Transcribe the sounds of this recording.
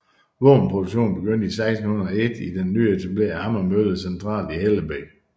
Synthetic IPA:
ʋɔ̰ːn̩pʰʁoduɕo̝̰ːnb̥e̝ɡ̥øn̰d̥isɑ̈ɪsdn̩hun̩ˠɒe̝d̥id̥enːy̰ːet͡sʰæb̥le̝ːɐ̰hɑmɐmøð̩ˠsent͡sʰʁɑ̰̈ːliheləbeɡ̥

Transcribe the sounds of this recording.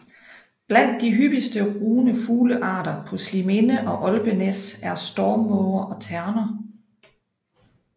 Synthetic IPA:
b̥læn̰d̥ːiɦyb̥isd̥əʁuːnəfuːləʔɑ̰̈ːdɐpʰɒ̽slime̝nəʔɒ̽ʔɒ̽lb̥ənesæɐsd̥ɒːmːɔʊɐʔɒ̽t͡sʰæɐnɐ

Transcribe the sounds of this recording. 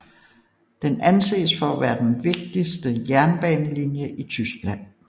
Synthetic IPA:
d̥enænse̝̰ːsfɒæʋæːɐd̥enʋe̝ɡ̥̚d̥isd̥əjæɐnb̥ɛːnəlinjəʔit͡sʰysɡ̥læn̰

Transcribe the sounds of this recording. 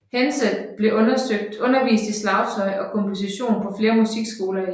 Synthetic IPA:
henseldb̥le̝ʔɔ̽nɐsøɡ̥̚d̥ɔ̽nɐʋḭːsd̥islɑ̈ʊsʰɒ̽ɪʔɒ̽kʰɒ̽mpʰo̝siɕo̝̰ːnpʰɒ̽fle̝ːɐmusiɡ̥sɡ̥o̝ːlɐ

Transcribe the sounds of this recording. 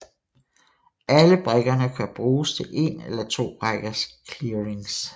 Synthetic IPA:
æləb̥ʁeɡ̥ɐnəkʰæb̥ʁuːst͡sʰe̝lʔe̝̰nelɐt͡sʰo̝̰̥ːʁaɡ̥ɐskʰliɐʁeŋs

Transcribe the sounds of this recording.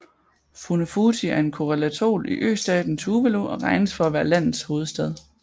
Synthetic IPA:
funofuːt͡sʰiæɐe̝nkʰo̝ʁɛlæt͡sʰo̝̰ːliʔø̰ːsd̥ɛ̰ːd̥n̩t͡sʰuːʋeloʔɒ̽ʁɑ̈ɪnəsfɒ̽æʋæːɐlæn̰ð̩ˠsho̝ːð̞̩ˠsd̥eð̞ˠ

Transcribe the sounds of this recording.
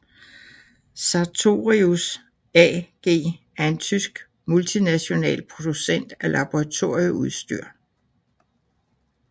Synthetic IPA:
sɑt͡sʰo̝̰ːʁius | ɛɡ̥e̝̰ː | æɐe̝nt͡sʰysɡ̥ | mult͡sʰinæɕo̝nɛ̰ːlpʰʁo̝d̥usen̰d̥ælɑ̈b̥oʁɑ̈t͡sʰo̝ɐ̰jəuð̞ˠsd̥y̰ɐ̰

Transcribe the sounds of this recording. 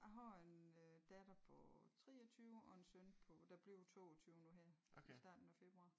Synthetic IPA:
ɑɦɑenød̥ɛd̥ɐpʰɒ̽t͡sʰʁɛ̰ːɐt͡sʰyːʊɒ̽ensønpʰɔd̥ɑ̈b̥liʊt͡sʰo̝̰ːɒt͡sʰyːʊnuɦæɐ̰isd̥ɑ̰̈ːd̥n̩æfe̝b̥ʁuɑ̰̈ː

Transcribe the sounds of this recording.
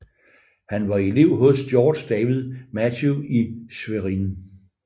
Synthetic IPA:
hænʋɑ̈e̝le̝ʊ̰ɦɔ̽sd̥jɒːd̥sd̥ɛːʋiðˠmædʰuisʋeʁin

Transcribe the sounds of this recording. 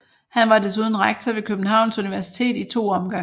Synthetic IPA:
hænʋɑ̈d̥es̬uð̞ˠn̩ʁaɡ̥̚t͡sʰɒʋe̝kʰøb̥n̩ɦɑ̈ʊ̰nsuniʋæɐsi̥t͡sʰe̝̰ːd̥it͡sʰo̝̰ːɒ̽mɡ̥ɑ̈ŋ

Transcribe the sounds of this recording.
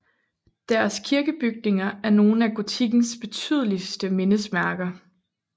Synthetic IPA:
d̥æɐskʰiɐɡ̥əb̥yɡ̥̚ne̝ŋɐæɐno̝ːn̩æɡ̥o̝t͡sʰiɡ̥n̩sb̥e̝t͡sʰy̰ð̞ˠəlisd̥əme̝nəsmæɐɡ̥ɐ

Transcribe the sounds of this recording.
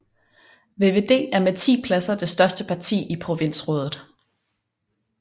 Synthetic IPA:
ʋe̝ːʋe̝ːd̥e̝̰ːæɐmet͡sʰḭːpʰlæsɐd̥e̝sd̥ɶɐsd̥əpʰɑ̈t͡sʰḭːipʰʁo̝ʋe̝n̰sʁɔ̽ːðˠð̩ˠ

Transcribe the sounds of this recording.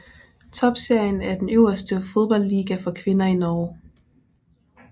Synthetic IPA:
t͡sʰɒ̽b̥se̝ɐ̰jənæɐd̥enøʊ̰ɐsd̥əfoð̞ˠb̥ɒ̽l̰ːiːɡ̥æfɒ̽kʰʋe̝nɐinɒː

